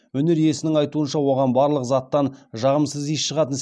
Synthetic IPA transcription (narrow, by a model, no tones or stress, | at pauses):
ɵnɪɾje̞sɪnɪŋɑjt̪uənʃɑwo̞ʁɑnbɑɾlˠəqzɑt̪ːɑnʒɑʁəmsəzisʃəʁɑt̪əns